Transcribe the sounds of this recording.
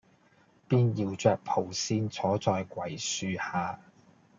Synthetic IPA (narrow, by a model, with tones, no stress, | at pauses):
piː˥njiː˧wt͡ʃœː˧k̚pʰo˨˩wsiː˧nt͡sʰɔː˨˥t͡sɔː˧jkwɐ˨˩jsyː˧haː˨˧